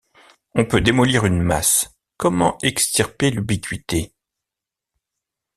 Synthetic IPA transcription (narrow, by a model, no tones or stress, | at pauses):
ɔ̃pød̪emɔliʁynma̰s | kɔmɑ̃ɛkst̪iʁpelybikʲɥit̪e